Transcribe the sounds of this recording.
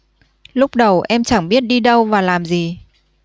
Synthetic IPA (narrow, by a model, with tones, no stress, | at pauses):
lʊ˦˥k͡p̚ɗə˨˩wʔɛ˧mt͡ɕa˧˩ŋɓi˦˥ət̚ɗi˧ɗə˧wvaː˨˩laː˨˩mzi˨˩